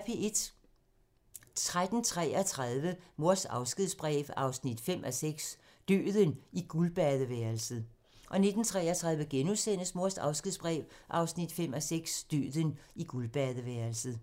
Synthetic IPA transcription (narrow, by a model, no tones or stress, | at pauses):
fʰie̝d̥ | t͡sʰʁad̥n̩t͡sʰʁɛːɒt͡sʰʁaðˠʋəmo̝ɐsɑ̈ʊsɡ̥iðˠsb̥ʁɛ̰ːʋɑ̈ʊsnid̥fem̰ʔæɒseɡ̥s | d̥ø̰ːðˠəniɡ̥ulb̥æðˠəʋæːɐlsəð̩ˠ | ʔɒ̽ne̝d̥n̩t͡sʰʁɛːɐt͡sʰʁäðˠʋəɡ̥enusen̰əsmo̝ɐ̰sdɑ̈ʊsɡ̥iðˠsb̥ʁɛ̰ːʋʔɑ̈ʊsnid̥fem̰æseɡ̥sd̥ø̰ːðˠəniɡ̥ulb̥æðˠəʋæːɐlsð̩ˠ